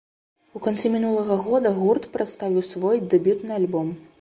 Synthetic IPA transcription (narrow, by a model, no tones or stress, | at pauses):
ukant̪simʲinulˠɐɣɐɣɔd̪ɐɣurt̪pɾat̪st̪avʲiwsvɔjd̪ɛbʲut̪nɨalʲbɔm